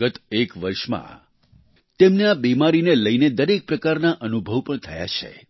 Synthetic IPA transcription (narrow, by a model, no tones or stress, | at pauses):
ət̪ekʋəɾʃmã̰ | t̪emneabimaɾineləined̪əɾek̚pɾəkaɾnaʔənubʱəʋpəɳt̪ʰəja̰t͡ʃʰḛ